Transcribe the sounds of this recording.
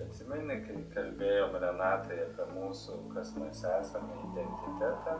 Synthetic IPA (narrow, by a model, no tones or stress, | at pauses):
ɐt̪ʲsʲɪmʲɛnʲɪkɐɪkɐlʲbʲeːjoːmɾʲɛnɑːt̪ɐɪɐpʲiɛmuːsʊkɐsmɐsæːsɐmɐɪd̪ʲɛnʲt̪ʲɪt̪ʲæt̪ɑː